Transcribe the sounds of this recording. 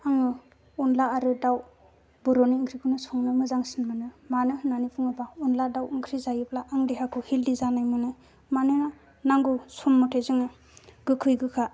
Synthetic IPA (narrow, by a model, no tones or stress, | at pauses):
aŋɯ | unlaːɾɯdaw | bɯɾɔniɯŋkʰɾikʰunɯsɔŋnɯmɯzaŋsinmanɯmanɯnanipʰuŋɯbaunladawɯŋkʰɾizajɯblaʔaŋdiɦakʰuhildizanajmɯnɯ | manɯna | naŋɡusɔmːɔtʰezɯŋɯ | ɡ̥ɯkʰɯjɡɯkʰa